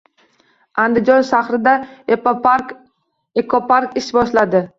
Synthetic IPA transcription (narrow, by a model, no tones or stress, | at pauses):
and̪ɪd͡ʒɒnʃaχɾɪd̪a | ekʰopʰaɾkɪʃbɒʃlad̪ɪ